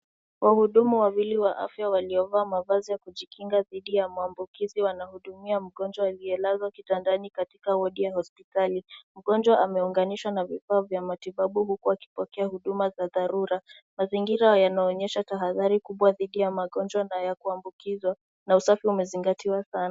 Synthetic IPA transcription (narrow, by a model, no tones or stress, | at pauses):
wʔahuɗumuwawiliwaʔa̰fjawaliɔvaːmavazijakuʄikiŋɡaðiɗijamuambukiziwanahuɗumiam̩ɠɔnd͡ʒwaːliɛlazwakitandanikatikawɔɗijahɔspitalim̩ɡɔnd͡ʒwaʔamɛuŋɡaniʃwanavifaːvjamatiɓaɓuhukuaki̥pɔkɛahuɗumazaðaɾuɾa | maziŋɡiɾajanaɔɲɛʃataɦaðaɾikuɓwaðiɗijamaɠɔnd͡ʒwanajakuambukizwa | nausafiumɛziŋɡatiwasanaa